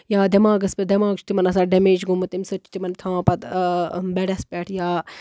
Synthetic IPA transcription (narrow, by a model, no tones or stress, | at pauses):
jaːd̪ɐmãːɡɐspʲed̪ɐmaːɡt͡ʃt̪imɐnɐsãːɖɐmeːd͡ʒɡumut̪imsot͡ʃːi̥t̪imɐnt̪ʰãːpɐt̪bɛɽɐspʲɛʈʰjaː